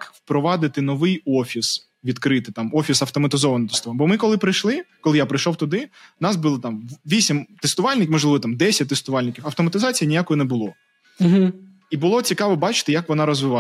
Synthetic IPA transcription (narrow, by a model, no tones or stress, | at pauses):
kwpɾɔʋɑd̪ɪt̪ɪnɔʋɪjɔfʲis | ʋʲid̪kɾɪt̪ɪt̪ɑmɔfʲisɐwt̪ɔmɐt̪ɪzɔʋɐnɔt̪est̪ʊɔʋnbɔmɪkɔlˠɪpɾɪjʃlˠɪkɔlˠɪjapɾɪjʃɔwt̪ʊd̪ɪnɑsbɨlˠt̪ɑmʋʲisʲimt̪est̪ʊʋɑlʲnɪkʲmɔʒlˠɪʋɔt̪ɑmd̪ɛsʲɐt̚ʲt̪est̪ʊʋɑlʲnɪkʲiwɐwt̪ɔmɐt̪ɪzɑt͡sʲijɐnʲijakɔjɔnɛbʊlˠɔ | ibʊlˠɔt͡sʲikɑʋɔbɑt͡ʃɪ̥t̪ɪjɐkʋɔnɑɾɔzʋɪʋɑ